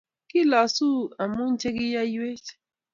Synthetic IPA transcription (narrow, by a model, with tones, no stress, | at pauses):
ki˦la˨su˦a˨mu˦n˦t͡ʃe˦ki˦ja˦je˦t͡ʃ